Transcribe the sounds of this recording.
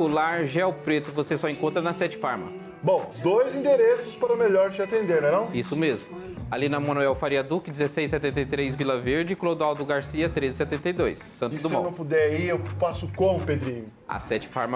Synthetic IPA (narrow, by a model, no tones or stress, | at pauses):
ulaɾʒɛwpɾet̪ʊvosesɔẽkõnt̪ɾɐnɐsɛt͡ʃɪ̥faɾmɐ | bõw̃d̪ojzĩd̪eɾesʊspaɾɐʊmeʎɔɾt͡ʃɪat̪ẽnd̪eɾmɛɾɐ̃w̃isʊmezmʊ | alĩnɐmɐ̃nuɛwfaɾiɐd̪ukɪd͡ʒɪzesejsɛt̪ẽnt̪ejt̪ɾejzvilɐveɾd͡ʒɪklod̪uawd̪ʊɡaɾsiɐt̪ɾezɪsɛt̪ẽnt̪ɐjd̪ojsːɐ̃tsʊzd̪ʊseãwnɐ̃w̃pud̪ɛaiewfasʊkõw̃ped̪ɾĩɲʊɐ̰sɛt͡ʃɪ̥faɾmɐ